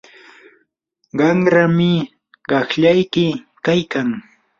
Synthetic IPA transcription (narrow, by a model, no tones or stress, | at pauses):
ɢɑŋɾamɪ | ɢɑχʎajkɪ | kajkaŋ